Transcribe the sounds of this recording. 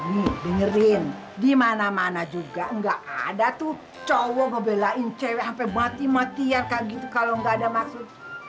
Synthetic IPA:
nibəŋəɾɪn | dimanamanad͡ʒuɡaəŋɡaʔa̰dat̪u | t͡ʃowɔɡəbelaint͡ʃɛwɛampabat̪imat̪iankaɡit̪ukaloəŋɡaːdamaksʊt̪̚

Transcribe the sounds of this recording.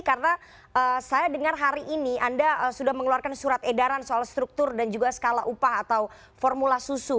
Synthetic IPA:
karəna | ʔəːsajadəŋarɦaɾiʔːniʔandaəsudahməŋəluarkansuɾat̪edaɾansoalst̪ɾuk̚t̪ʊrdand͡ʒuɡasə̥kala̰ʔupaɦat̪aw | fɔrmulasusu

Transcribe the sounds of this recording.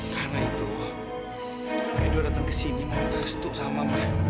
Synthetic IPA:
karnait̪u | aiduadat̪aŋkəsiniŋɔnt̪ast̪uʔsamamah

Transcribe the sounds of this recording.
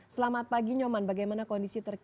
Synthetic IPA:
səlamat̪̚paɡiɲɔmanbaɡajmanakɔndisit̪ərk

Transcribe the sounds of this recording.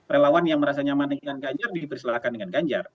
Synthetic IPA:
relawanjaŋməɾasaɲamanəŋanɡaɲd͡ʒardipərsəlaakandəŋanɡaɲd͡ʒa̰r

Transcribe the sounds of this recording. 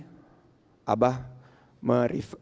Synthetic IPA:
a̰ba | məɾif

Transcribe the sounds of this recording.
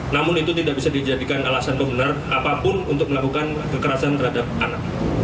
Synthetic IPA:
namʊnit̪ut̪idaʔbisadid͡ʒadikanalasandobənarʔapapʊnunt̪ʊk̚məlakukan | kəkəɾasant̪ərhadap̚ʔanak̚

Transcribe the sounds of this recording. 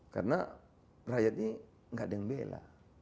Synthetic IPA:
ka̰rna | rajat̪̚ɲi | ŋɡaʔdɛŋbela̰

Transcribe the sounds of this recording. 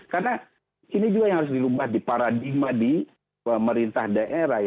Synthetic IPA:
karna | inid͡ʒuɡajaŋhaɾʊs̬diɾubahdipaɾadiɡ̚madi | pəməɾint̪ahdaʔeɾaj

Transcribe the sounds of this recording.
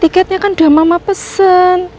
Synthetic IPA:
t̪ikɛt̪̚ɲakanɖ̪̥a̤mamapəsən

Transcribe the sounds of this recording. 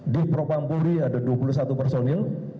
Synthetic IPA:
dipɾopampoɾiadaduapuluhsat̪upərsɔnjaŋ

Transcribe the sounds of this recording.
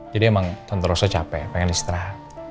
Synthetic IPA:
d͡ʒadiɛmaŋt̪ɔnt̪əɾɔsɔt͡ʃapɛpɛŋɛnist̪ɾah

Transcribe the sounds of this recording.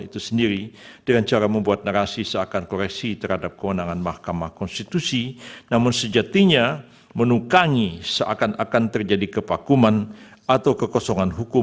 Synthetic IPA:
it̪usəndiɾidəŋant͡ʃaɾaməmbuat̪̚naɾasisəakankɔɾɛksit̪ərhadap̚kəwənaŋanmahkamahkɔnst̪it̪usinamʊnsəd͡ʒat̪iɲa | mənukaŋisəʔa̰kanakant̪ərd͡ʒadikəpakumanat̪awkəkɔsɔŋanɦukʊ

